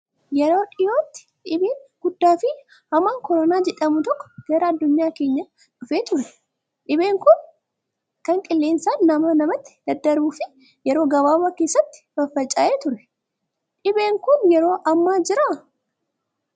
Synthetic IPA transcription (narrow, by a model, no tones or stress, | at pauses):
jɛɾo̞ːᶑɪjo̞ːt̪ːɪ̥ᶑɪbeːŋɡ̥ʊd̪ːaːfɪ | hɐmːaːŋkɔɾɔnaːd͡ʒɛᶑɐmʊt̪ɔkːɔ̥ɡ̥ɐɾɐɐd̪ːʊɲːaːkeːɲːɐ | ᶑʊfeːt̪ʊɾɛ | ᶑɪbe̞ːŋkʊn | kɐŋkʼɪlːeːnsaːnːɐmɐnɐmɐt̪ːɪ̥d̪̥ɐd̪ːɐɾuːfɪ | jɛɾo̞ːɡɐbaːwɐkeːsːɐt̪ːɪ̥b̥ɐfːɐt͡ʃʼɐʔeːt̪ʊɾɛ̥ | ᶑɪbe̞ːŋkʊnjɛɾo̞ːʔɐmːaːd͡ʒɪɾa